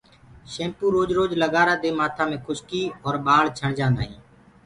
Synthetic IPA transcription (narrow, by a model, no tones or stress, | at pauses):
ʃẽːmpuːɾoːd͡ʒɾoːd͡ʒləɠaːɾaːd̪eːmaːt̪ʰãːmẽːkʰʊʃkiːɔːɾɓaːlt͡ʃʰəɳd͡ʒãːnd̪a̰ːɦḭ̃ː